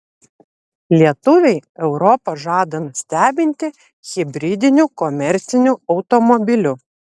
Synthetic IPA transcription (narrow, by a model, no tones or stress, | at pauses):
lʲiɛt̪ʊʋʲɛɪɛʊɾɔpɐʒɑːd̪ɐnʊsʲt̪ʲæːbʲɪnʲt̪ʲɪ | xʲɪbʲɾʲɪd̪ʲɪnʲukɔmʲɛɾʲt̪sʲɪnʲuɒʊt̪ɔmɔbʲɪlʲʊ